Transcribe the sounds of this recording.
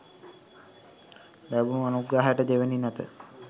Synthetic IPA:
bæbunuanuɡɾaːɦajəʈəd̪eʋeninɛt̪ə

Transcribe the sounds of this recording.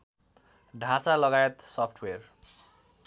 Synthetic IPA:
ɖʱãt͡salʌɡajet̪sʌpʰʈʰwer

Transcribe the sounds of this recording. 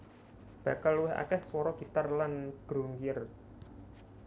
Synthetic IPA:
b̥ä̤kalwɪɦa̰kɛhswɔɾɔɡ̥i̤t̪arlanɡ̥ɾo̤ŋɡiər

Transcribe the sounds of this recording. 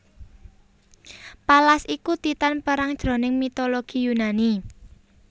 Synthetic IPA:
palasikut̪it̪anpəɾaŋd̥ʒ̥ɾo̤nɪŋmit̪oloɡ̥ijunani

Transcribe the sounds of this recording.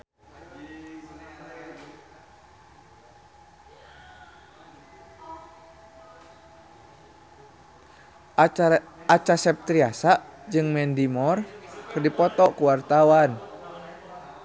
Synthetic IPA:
at͡ʃasɛp̚t̪ɾiasaʔd͡ʒɨŋmɛndimɔrkərdipɔt̪ɔʔkuwart̪awan

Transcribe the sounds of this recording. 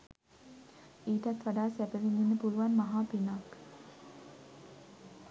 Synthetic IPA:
eːʈæt̪ʋaɖaːsæpəʋininːəpuluʋanmaɦaːpinak

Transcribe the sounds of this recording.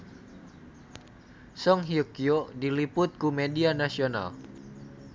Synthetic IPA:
sɔŋɦiukiodilipʊt̪̚kumedianasiona̰l

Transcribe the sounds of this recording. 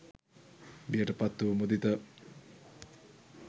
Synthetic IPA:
bijəʈəpat̪ːuʋmud̪it̪ə

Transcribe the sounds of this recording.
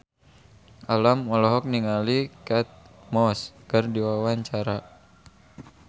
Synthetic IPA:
ʔalamɔlɔɦɔk̚niŋalikat̪̚mɔskərdiwawaɲt͡ʃaɾa

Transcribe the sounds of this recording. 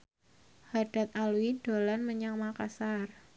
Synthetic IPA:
haɖ̥a̤t̪̚aluiɖ̥o̤lanməɲaŋmakasar

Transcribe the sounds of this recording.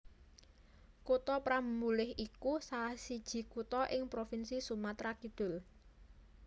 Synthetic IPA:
kut̪ɔpɾammːulɪhikusalahsid̥ʒ̥i̤kut̪ɔʔɪŋpɾofinsisumat̪ɾakid̪̥ʊl

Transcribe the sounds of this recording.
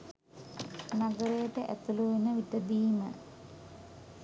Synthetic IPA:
naɡəɾejəʈəʔæ̰t̪uluʋenəʋiʈəd̪iːmə̰

